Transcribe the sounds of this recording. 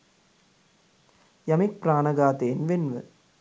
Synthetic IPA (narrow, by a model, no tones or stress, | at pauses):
jɐmik̚pɾaːnɐɡaːt̪eːnʋenʋɨ̰